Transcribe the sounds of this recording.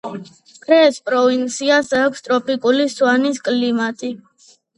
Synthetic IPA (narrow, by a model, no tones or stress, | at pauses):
kʰɾɛːspʼɾɔvint̪sʰiasaːkʷʰst̪ʼɾɔpʼikʼuliswaniskʼlimat̪ʼi